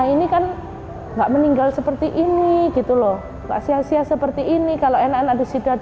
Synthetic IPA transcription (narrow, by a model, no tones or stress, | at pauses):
ainikan | ŋɡaʔməniŋɡalsəpərt̪iʔiniɡ̥it̪ulɔh | ŋɡa̰ʔsiasiasəpərt̪iːnikaloʔenanadasidat̪̚